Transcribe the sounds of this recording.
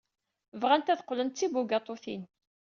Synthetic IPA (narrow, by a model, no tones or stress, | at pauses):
vʁænt̪æðə̥qːlənt̪t͡sːibuɡɑt̪ˤoθḭn